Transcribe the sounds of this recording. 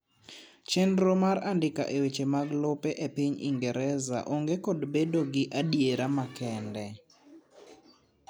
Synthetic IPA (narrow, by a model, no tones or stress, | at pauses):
t͡ʃɛndɾomaɾandɪka̰ʔewet͡ʃemaɡlɔpɛʔepiɲḭŋɡɛɾɛza̰ʔoŋɡekodbedoɡɪʔadjeɾamakɛndɛ